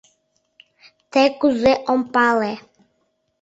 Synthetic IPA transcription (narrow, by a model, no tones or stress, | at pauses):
t̪ɛkuzɛʔɔmpalɛ